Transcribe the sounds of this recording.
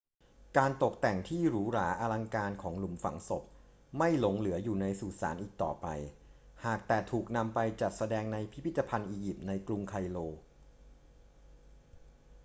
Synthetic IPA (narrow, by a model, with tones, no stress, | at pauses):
kaː˧nt̪o˨˩k̚t̪ɛ˨˩ŋt̪ʰiː˥˩ɾuː˨˦ɾaː˩˦ʔa˧la˧ŋkaː˧nkʰɔː˩˦ŋlu˨˩˦mfa̰˩˦ŋso˨˩p̚ | ma˥˩jlo˨˩˦ŋlɯ˩˦ɐjuː˨˩na˧jsuː˨˩t̪̚sa̰ː˩˦nʔiː˨˩k̚t̪ɔ̰ː˨˩pa̰˧j | haː˨˩k̚t̪ɛː˨˩t̪ʰuː˨˩k̚na˧mpa˧jt͡ɕa˨˩t̪̚sa˧dɛː˧ŋna˧jpʰi˦˥pʰi˦˥t̪ːa˧pʰa˧nʔiː˧ji˨˩p̚na˧jklu˧mkʰa˧jloː˧